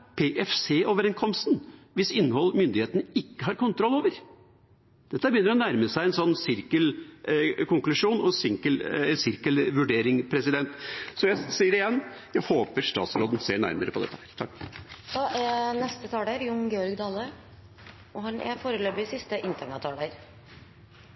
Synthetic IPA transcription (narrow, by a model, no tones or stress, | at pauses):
pʰeʔɛfseːʔoːʋəɾɛŋkʰɔmst̪nʋɪsɪnːəhɔlːmʏnd̪ɪheːt̪ənəɪkːəhɑɾkʊnt̪ʰɾɔlːoːʋəɾ | d̪̥ɛt̪ːəbəjʏnːəɾɔnæɾməsæɪɛnsɔnːsɪɾkəl | kʰʊŋklʉʂuːnɔsɪŋkəlɛsɪɾkəlʋʉɖeːɾɪŋpʰɾɛsɪd̪ɛnt̪sɔjæɪsiːəɖɪjɛnːjæɪhoːpəɾʂt̪ɑ̰ːt̪sɾoːd̪ən̩seːɳæ̰ɾməɾəpɔd̪ɛ̰t̪ːəhæːɾt̪ʰɑkːd̪̥ɑːʔæɾnɛst̪ət̪ʰɑːd̪eɾjʊŋɡɛːɔɾɡd̪ɑːlːə | ɔɦɑnɛ̰foːɾəløːbɪsɪst̪əʔɪnt̪ənɑt̪ʰɑːleːɾ